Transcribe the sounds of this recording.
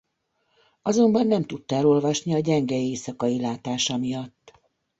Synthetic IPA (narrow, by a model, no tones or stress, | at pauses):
ɒzo̞mbɒnːɛmt̪ut̪ːɛlo̞lvɒʃniɒɟɛŋɡɛeːsɒkɒjilaːt̪aːʃɒmijɒt̪ː